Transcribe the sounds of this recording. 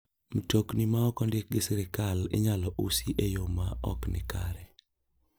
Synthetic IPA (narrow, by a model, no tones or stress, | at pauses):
m̩toknimaɔkɔndɪk̚ɡɪsɛɾɪkalɪ̰ɲalɔʔusiʔejomaɔ̰knɪ̰kaɾɛ